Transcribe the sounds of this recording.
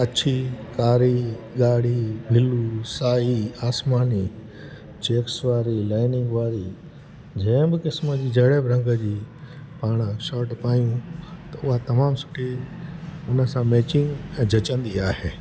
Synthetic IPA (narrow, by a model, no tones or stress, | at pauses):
ɐʃʰikaːɾiɠaːɽ̤ibʱɪlusaːiaːsmaːni | t͡ɕeːksʋaːɾilaːɪnɪ̃ŋɡʋaːɾi | d͡ʑɛ̃ːbɪkɪsməd͡ʑiːd͡ʑɐɽebɾə̃ŋɡəd͡ʑiː | paːɽ̃əʃɔːʈpaːjũt̪ɐʊɦat̪ɐmaːmsʊ̥ʈʰi | ʊnə̆sãmeːt͡ɕɪ̃ŋɡ̃d͡ʑʱɐt͡ɕə̃nd̪iaːɦeː